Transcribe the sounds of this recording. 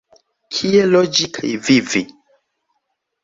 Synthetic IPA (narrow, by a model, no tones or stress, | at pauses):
kʰielɔd͡ʒikʰa̰jvivi